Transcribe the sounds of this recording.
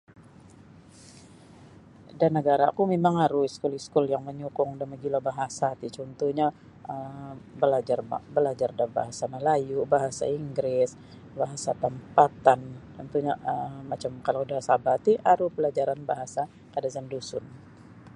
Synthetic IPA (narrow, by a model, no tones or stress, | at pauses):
danːəɡaɾakumemaŋaɾuiskʊliskʊljaŋməɲukʊŋdanməɡilabaɦasat̪it͡ʃɔnt̪uhɲa | əbəlad͡ʒarbəlad͡ʒardaba̰ɦasanəlajubaɦasa̰iŋɡɾɪs | baɦasat̪əmpat̪ant͡ʃɔnt̪uɲaəmat͡ʃamkalaudahsabat̪iʔaɾupəlad͡ʒaɾanbaɦasa | kadazandusʊn